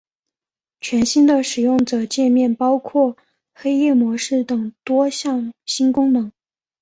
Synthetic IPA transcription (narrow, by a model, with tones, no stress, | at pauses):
t͡ɕʰɥɛ˧˥nɕi˥nd̪ə˨ʂɻ̩˨˩jʊ˥˩ŋʈ͡ʂɤ˨˩t͡ɕjɛ˥˧nmjɛ˥˩npɑ˥ʊkʰwɔ˥˩ | xe˥ɪjɛ˥˩mwɔ˧˥ʂɻ̩˥˩t̪ɤ˨˩ŋt̪wɔ˥ɕjɑ˥˩ŋɕi˥nkʊ˥ŋmɤ˧˥ŋ